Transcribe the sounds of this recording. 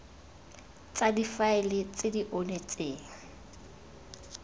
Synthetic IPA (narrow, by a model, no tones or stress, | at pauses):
t͡sʼadifaɪlɪt͡sʼɪdiʔonet͡sʼɪːŋ̩